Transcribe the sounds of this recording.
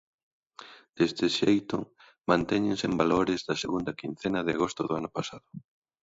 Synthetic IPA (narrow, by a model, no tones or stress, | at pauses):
d̪̥est̪ɪʃejt̪ʊ | mãnt̪ɛɲɪ̃nsembaloɾɪzðɐseɣund̪ɐkin̟θenɐðɪaɣost̪ʊðʊanʊpasaðʊ